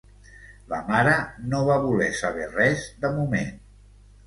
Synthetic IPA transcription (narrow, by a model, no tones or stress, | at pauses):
ləmaɾənoβaβulɛsəβ̞ɛrɛzd̪əmumḛn